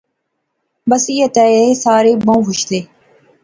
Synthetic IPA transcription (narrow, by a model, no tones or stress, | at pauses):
bəsiːət̪ɛːeːsaːɾeːbõːɦʊʃt̪eː